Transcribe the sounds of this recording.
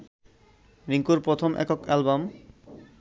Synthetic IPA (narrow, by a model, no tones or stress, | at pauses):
ʋiŋkuɾpɾot̪ʰomʔɛ̰kokɛlbam